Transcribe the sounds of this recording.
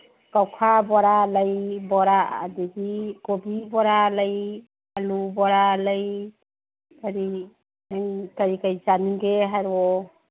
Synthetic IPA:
kawkʰabɔɾalajbɔɾaa̰d̪idikobibɔɾalaj | alubɔɾalaj | kaɾi | ajkaɾikajd͡ʒaniŋɡeɦaɾwɔ

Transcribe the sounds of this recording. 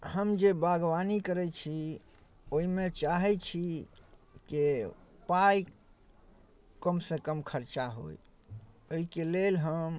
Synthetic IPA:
həmd͡ʒebaɡʋanikəɾɛt͡ʃʰi | oɦimẽt͡ʃaɦɛt͡ʃʰi | kepaj | kəmsekəmkʰəɾt͡ʃaɦo̰j | oikelelɦəm

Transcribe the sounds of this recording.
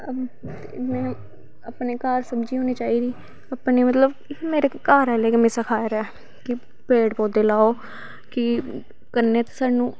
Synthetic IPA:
t̪emɛ̃ː | aːpneːkaːɾsəbd͡ʒiːɦoːniːt͡ʃaːiːd̪iː | apneːmət̪ləb | meːɾeːkaːɾɛːleːkəmẽːsəkʰaːeɾɛː | kɪ | pɾeːɖpoːd̪eːlaːoː | kɪ | kənːeːt̪esaːɖnũː

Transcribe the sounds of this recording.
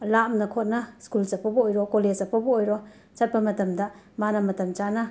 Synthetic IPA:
lamnɐkʰot̚nɐskult͡ʃɐpːɐbɐojɾɔkoled͡ʒɐpːɐbɐojɾɔ | t͡ʃɐt̚pɐmɐtɐmdɐ | manɐmɐtɐmt͡ʃanɐ

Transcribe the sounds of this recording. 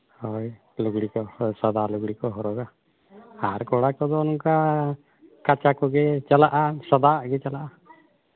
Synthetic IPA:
hɔj | luɡɽikɔsɔd̪aluɡɽikɔɦɔɾɔɡa | aɾkɔɽakɔd̪ɔnuŋka | kat͡ʃakɔɡet͡ʃalaʔasɔd̪aɡet͡ʃalaʔa

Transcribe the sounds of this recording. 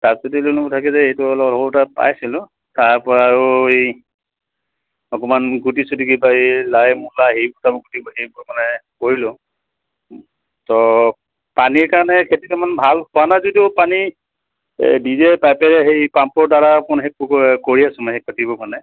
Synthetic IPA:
tatsɔtilunɔbɔtʰakɛzɛejtʊɔlɔlɔbɔtapa̰jsilʊ | taɹpɔɹaɹʊej | ɔkɔmanɡutisudiɡipajilajmulaɦejbʊɹtabɔɡutibɔɦejbʊɹmanɛkoɹilʊ | tɔ | paniɹkaɹanɛkʰetikamanbʱalpʊanazɔdiʊpani | dizɛpajpɛlɛɦejpampɔɹdaɹapɔnɦekkoɹiasɔmahekɔtibɔmanɛ

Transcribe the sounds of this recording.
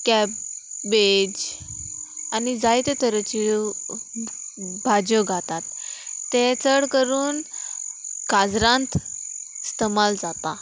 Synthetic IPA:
kɛpbed͡ʑ | anid͡zajt̪et̪əɾət͡ɕi | bʱad͡ʑəɡʱat̪at̪ːet͡səɽkəɾuːn | kad͡zɾãnt̪ | st̪əmald͡zat̪a

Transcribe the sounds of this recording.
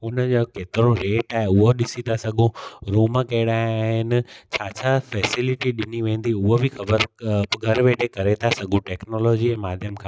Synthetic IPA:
ɦʊnəd͡ʑokeːt̪ɪɾoɾeːʈaːɦeʊɦoɗɪsit̪ʰasɐɠʱũɾuːməkɐɪɽaːeaːɦɪnɪ̆t͡ɕʰaːt͡ɕʰafɛːsɪlɪʈiɗɪniʋẽːnd̪iʊɦobʱixɐbəɾɡʱɐɾʋeːʈʰekɐɾet̪ʰasɐɡʱũʈeːknoːloːd͡ʑiɛ̃ːmaːd̪ʱjəmkʰãː

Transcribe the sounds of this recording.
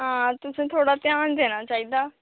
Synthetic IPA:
ɦãːt̪ʊsẽːt̪ʰoːɽaːt̪jaːnd̪eːnaːt͡ʃaːiːd̪aː

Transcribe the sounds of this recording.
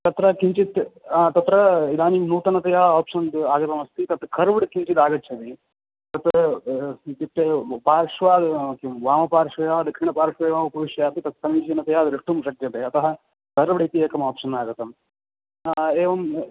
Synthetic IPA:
t̪ɐt̪ɾɐkiɲt͡ʃit̪ːt̪ɐt̪ɾɐid̪aːnimnuːt̪ɐnɐt̪ɐjaːaːpʂɐnd̪aːɡɐt̪ɐmɐst̪it̪ɐt̪kʰɐɾʋɽkiɲt͡ʃit̪aːɡɐtːt͡ʃʰɐt̪i | t̪ɐt̪ | d̪iʈepaːɾʂʋaːd̪kimʋaːmɐpaːɾʂʋɐjaːd̪ɐkʂiɳɐpaːɾʃʋɐeːʋaːmɐpɐʋiʃjɐjaːt̪it̪ɐt̪sɐmiːt͡ʃiɐnɐt̪ɐjaːd̪ɾiʂʈːumʃɐkjɐt̪eːɐt̪ɐɦɐ̆ | kɐɾʋɽɐt̪ieːkɐmaːpʂɐnaːɡɐt̪ɐm | eːʋɐm

